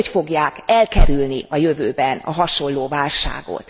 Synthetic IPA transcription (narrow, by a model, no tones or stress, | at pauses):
cfo̞ɡjaːkɛlkɛɾylniɒjøvøːbɛnɒ̰ɦɒʃo̞lːoːvaːlʃa̰ːɡo̰t̪